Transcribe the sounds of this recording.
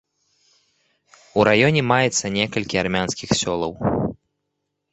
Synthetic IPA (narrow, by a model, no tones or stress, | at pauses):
uɾajɔnʲɛmajɛt̪sːɐnʲɛkɐlʲkʲiarmʲanskʲixsʲɔlˠɐw